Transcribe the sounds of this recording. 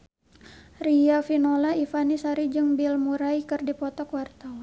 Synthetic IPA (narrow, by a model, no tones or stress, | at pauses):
riafinolaifanisaɾid͡ʒɨŋbilmuɾaikɨrdipɔt̪ɔkwart̪awan